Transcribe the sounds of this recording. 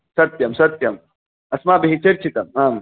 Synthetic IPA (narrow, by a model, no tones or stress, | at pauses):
sɐt̪jɐmsɐt̪jɐm | ɐsmaːbiɦit͡ʃeɾt͡ʃʰit̪ɐmaːm